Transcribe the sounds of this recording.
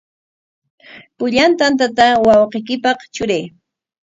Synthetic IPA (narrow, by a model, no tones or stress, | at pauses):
pʊʎant̪ant̪at̪awɑwqejk̬ɪpɑχt͡ʃʊɾaj